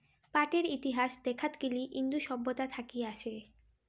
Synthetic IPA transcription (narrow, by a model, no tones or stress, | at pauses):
paʈeɾit̪iɦaʃd̪ekʰat̪ɡiliʔind̪uʃɔbːot̪at̪ʰakieaʃe